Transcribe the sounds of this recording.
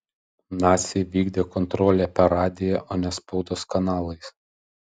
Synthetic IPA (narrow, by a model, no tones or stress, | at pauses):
nɑːt̪sʲɪjʋʲiːɡd̪ʲeːkɔnt̪ɾɔːlʲeːpʲɛɾɑːd̪ʲɪjɛʔoːnʲɛspɒʊd̪oːskɐnɑːlˠɐɪs